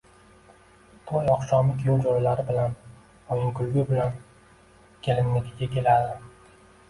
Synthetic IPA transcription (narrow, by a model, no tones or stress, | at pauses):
t̪ʰɒjɒqʃɒmɪt̪ʰɪjowd͡ʒoɾalaɾɪbɪlan | ojɪŋkʰʊlɡʲʊbɪlan | kʲʰelɪnmːek̪ʲɪɡʲakʲʰe̞lad̪ɪ